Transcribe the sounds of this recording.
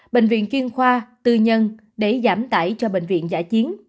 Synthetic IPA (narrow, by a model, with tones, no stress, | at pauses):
ɓḛ˧˨ŋ̟vḭ˧˨ənt͡ɕwi˧ənxwaː˧t̪ɨ˧ɲə˧n | ɗe˧˩zaː˨˧˦mt̪a̰ː˧˩jt͡ɕɔ˧ɓḛ˧˨ŋ̟vḭ˧˨ənza̰ː˧˥t͡ɕi˨˦ən